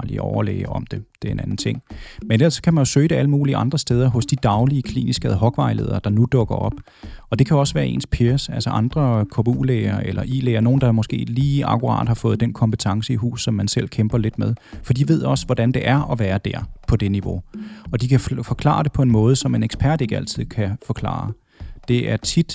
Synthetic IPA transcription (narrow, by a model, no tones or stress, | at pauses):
lḭɒʊɐlḛɪəʔɒ̽md̥e̝d̥e̝ɐe̝nænn̩t͡sʰe̝ŋ̰menel̰ɐsɒ̥kʰæmænjo̝søːɪd̥e̝æləmuːliʔɑ̈nd̥ʁɐsd̥eːð̞ˠɐɦɔ̽sd̥id̥ɑ̈ʊliəkʰlḭːnisɡ̥æð̩ˠɦɒ̽ɡ̥ʋɑ̈ɪle̝ðˠɐd̥ɑ̈nud̥ɔ̽ɡ̥ɐɒ̽b̥ | ɒ̽d̥e̝kʰæɒ̽sʋæːɐe̝̰ːnspʰeɐsælsɐʔɑ̈nd̥ʁɐkʰɒb̥uːleːɐelɐʔḭleɪɐno̝ːn̩d̥ɑmɔ̽sɡ̥e̝̰ːliːɑ̈kuʁɑ̰̈ːd̥hɑ̈fɔ̽ːð̞̩ˠd̥enkʰɒ̽mb̥ə̥t͡sʰɑ̈ŋsəiɦṵːssɒ̽mːænsel̰kʰemb̥ɐle̝d̥með̞ˠfɒd̥ḭdʋe̝ð̞̰ˠɒ̽sʋɒd̥ænd̥e̝ʔæɐʔɒ̽ʋæːɐd̥æɐpʰɒ̽d̥e̝niʋo̝ɒ̽d̥ikʰæfɒ̽kʰlɑ̰̈ːd̥e̝pʰɒ̽e̝nmɔ̽ːð̞̩ˠsɒ̽me̝neɡ̥spʰæɐ̰d̥e̝ɡ̥əæl̰t͡sʰið̰ˠkʰæfɒ̽kʰlɑ̰̈ː | d̥e̝æɐt͡sʰid̥